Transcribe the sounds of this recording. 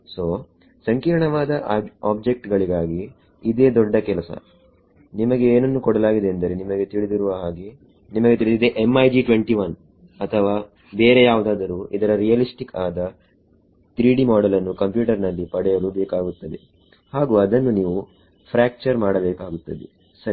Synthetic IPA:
soː | sɐŋkiːɾɳɐʋaːd̪ɐaːbd͡ʒe̞k̚ʈɡɐɭiɡaːɡiː | d̪e̞ːd̪ɔɖːɐkɛlɐsɐ̰ | nimɐɡe̞eːnɐnːukɔɽɐlaːɡid̪e̞ːnd̪ɐɾenimɐɡe̞t̪iɭid̪iɾuʋɐɦaːɡi | nimɐɡet̪iɭid̪id̪e̞ʔemɐjd͡ʒiʈʋe̞ɳʈiʋɐn | ɐt̪ʰɐʋaː | beːɾejaːʋud̪aːd̪ɐɾuːid̪ɐɾɐɾijɐlisʈikaːd̪ɐ | t̪ɾiːɽimaːɽɐlɐnːukɐmpjuːʈɐɾnɐlːipɐɽɛjɐɾubeːkaːɡut̪ːɐd̪ḛ | haːɡuːɐd̪ɐnːuniːʋu | pʰɾaːk̚t͡ʃɐɾmaːɽɐbeːkaːɡut̪ːɐd̪ḛ | sɐɾ

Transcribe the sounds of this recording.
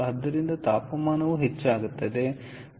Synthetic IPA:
ɦɐd̪ːɐɾind̪ɐt̪aːpɐmaːnɐʋuɦet͡ʃːaːɡut̪ːɐd̪e̞

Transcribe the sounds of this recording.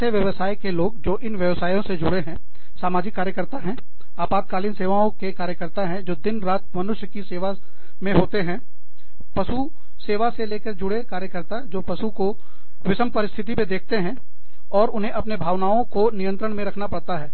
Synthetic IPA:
əʋjəʋəsaːjkeloːɡd͡ʒoːʔɪnʋjɐʋsaːjõsed͡ʒʊɽeɦɛ̃ | saːmaːd͡ʒɪkːaːɾjəkəɾt̪aɦɛ̃ | aːpaːd̪̚kaːlinseːʋaõkekaːɾjəkəɾt̪aɦɛ̃d͡ʒoːd̪ɪnɾaːt̪̚ʰmɐnʊʃjəkiseːʋa | mẽɦoːt̪eɦɛ̃ | pɐʃu | seːʋaseleːkəɾd͡ʒʊɽekaːɾjəkəɾt̪ad͡ʒoːpɐʃuko | ʋɪsəmpɐɾɪst̪ʰɪt̪̬ipẽd̪eːkʰt̪eɦɛ̃ | ɔːɾʊnɦẽʔɐpnebʱaːʋnaːõkonɪjə̃nt̪ɾəɽ̃mẽɾɐkʰnapɐɽt̪aɦɛː

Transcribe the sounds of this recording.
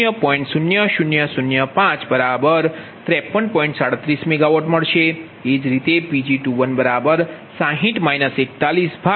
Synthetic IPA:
jəpɔĩɳʈsunjəʃʊnjəsunjəpãt͡ʃbəɾabəɾt̪ɾɛpːənpɔ̃ĩɳʈsaɽət̪ɾismɛɡaʋoʈməɭʃe | ed͡ʒɾit̪epid͡ʒiʈuʋənbəɾabəɾsãɦĩʈmainəsek̚t̪alisbʱa

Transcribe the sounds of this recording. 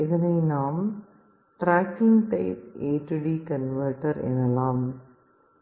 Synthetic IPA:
ɛðɐnɐɪnaːm | ʈɾaːkɪŋɡʈɐɪp̚eːʈːɯɽikɐnʋɐɾʈɐɾɛ̰nɐlaːm

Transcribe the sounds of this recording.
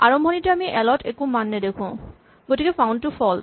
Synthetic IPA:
aɹɔmbʱɔnitɛamiʔɛlɔtʰɛkumanːɛdekʰʊ̃ | ɡotikɛpʰaw̃ndtʊfʰɔl

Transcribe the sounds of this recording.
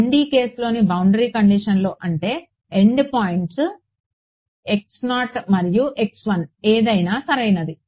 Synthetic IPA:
ɳɖiːke̞ːslo̞ːnibɐwɳɖɐɾiːkɐɳɖiʂɐnlo̞ːʔɐɳʈe̞ː | eɳɖpaːjiɳʈs | e̞ksnaːʈmɐɾijuʔeksʋɐneːd̪ɐjnaːsɐɾɐjnɐd̪i

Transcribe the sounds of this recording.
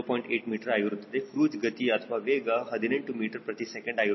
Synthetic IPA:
pɔiɳʈeːʈmiːʈəɾajuɾud̪t̪ekɾuːd͡zɡət̪iːət̪ʰʋaʋeɡaɦəd̪ʱinəɳʈumiːʈəɾpɾət̪isɛkə̃ɳɖaju

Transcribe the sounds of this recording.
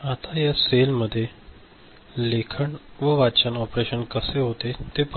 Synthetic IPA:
at̪ajaselməd̪ʱːje | lekʰəɳʋəʋat͡ɕənɔpɾeɕənkəseɦot̪et̪ep

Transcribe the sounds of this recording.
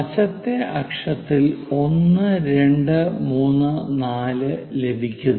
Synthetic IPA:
ɐt͡ɕɐt̪ːe̞ʔɐkʂɐt̪ːilo̞nːɨɾe̞ɳɖɨmuːnːɨnaːlɨle̞bʱikʲːun

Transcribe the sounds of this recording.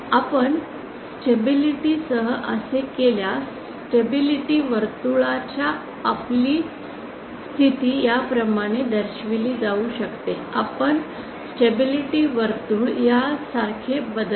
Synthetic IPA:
apəɳ | sʈebiliʈiːsəɦəʔəsekeljas | ʈebiliʈiːʋəɾt̪uɭat͡ɕjaː | pliː | st̪ʰit̪iːjapɾəmaɽ̃ed̪əɾɕʋiliːd͡zauɕəkt̪e | apəɳ | sʈebiliʈiːʋəɾt̪uːɭjasaɾkʰebəd̪

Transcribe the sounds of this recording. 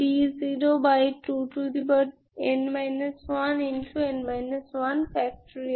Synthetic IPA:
ʈiziɾobajʈuːʈud̪ibəɖ | enmajnəsʋanĩnʈʰuẽnmaɪnəsʋɐnfɛk̚ʈɾi

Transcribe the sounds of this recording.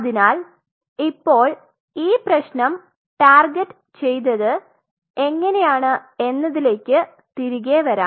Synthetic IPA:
ðinaːl | ipːo̞ːɭ | iːprɐɕnɐm | ʈaːrɡeʈː | t͡ɕe̞jt̪ːɐðɨ | e̞ŋːɐne̞jaːɳɨe̞nːɐðile̞ːkʲːɨ | t̪iɾiɣeʋɐɾa̰ː

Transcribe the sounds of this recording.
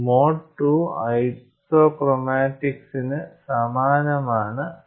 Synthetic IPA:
moːʈːuɐjsoːkromaːʈːiksinɨsɐmaːnɐmaːɳɨ

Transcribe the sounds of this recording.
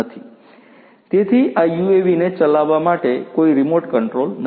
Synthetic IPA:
ət̪ʰi̥ | t̪et̪ʰiʔajueʋinet͡ʃəlaʋːamaʈekoiɾimoɾʈkəɳʈɾoln

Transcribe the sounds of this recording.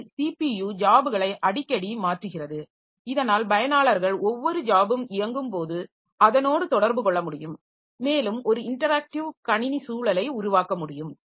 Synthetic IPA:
siːpijuːd͡ʒaːbɯɣɐɭɐɪʔɐɽɪkːɐɽimaːʈrɯɣɪrɐðɯ | ɪðɐnaːlbɐjɐnaːɭɐɾɣɐɭɔʋːɔɾɯd͡ʒaːbɯmɪjɐŋɡɯmpoːðɯ | ɐðɐnoːɽɯt̪ɔɽɐɾbɯkɔɭːɐmʊɽɪjɯmː | eːlɯmɔɾɯɪɳʈɐɾaːk̚ʈɪʋkɐɳɪnisuːɭɐlɐɪʊɾʊʋaːkɐmʊɽɪjɯm

